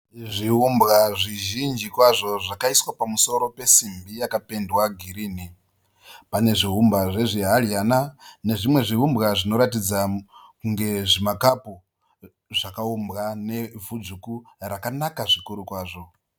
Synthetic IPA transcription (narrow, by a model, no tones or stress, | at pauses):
ʐiɦumbɣaʐiʒind͡ʒikwaʐo̞ʐakaiswapamuso̞ɾo̞pe̞simbijakape̞ndwaɡʱiɾiːni | pane̞ʐiɦumbaʐe̞ʐiɦaljanane̞ʐimwe̞ʐiɦumbɣaʐino̞ɾatid͡zakuŋɡe̞ʐimakapu | ʐakaumbɣane̞vud͡zukurakanakaʐikuɾukwaːʐo̞